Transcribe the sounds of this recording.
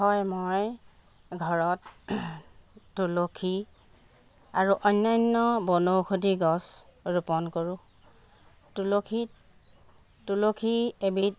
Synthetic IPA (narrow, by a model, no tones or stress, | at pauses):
ɔjmoj | ɡʱɔɹɔt | ulokʰi | aɹuʔɔjnːajnːɔbɔnowxʰodiɡɔsɹupɔnkoɹʊ̃ | tulokʰit | tulokʰiebit̚